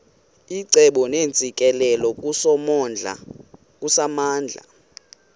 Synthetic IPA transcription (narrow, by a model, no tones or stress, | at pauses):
iǀɛɓɔneːnt͡sʼikʼɛlɛlɔk̬ʼusɔmɔnd͡ɮʱa̰ | k̬ʼusamaːnd͡ɮʱa̰